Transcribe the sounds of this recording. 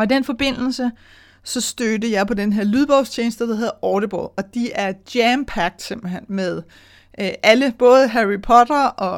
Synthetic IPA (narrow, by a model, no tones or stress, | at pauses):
ɒ̽id̥enfɒ̽b̥e̝n̰l̩sə | sɒ̽sd̥ødəjɑ̈ɪpʰɒ̽d̥enɦeɐ̰lyðˠb̥ɒʊst͡ɕʰeːnsd̥əd̥ehɦe̝ð̩ˠɒːɾəb̥ɒ̰ːɒ̽d̥iʔæɐd̥jæmpʰæɡ̥̚d̥se̝m̰b̥l̩ɦen̰með̞ˠ | ʔæləb̥ɔ̽ːð̞ˠəɦæʁipʰɒ̽dɐʔɒ̽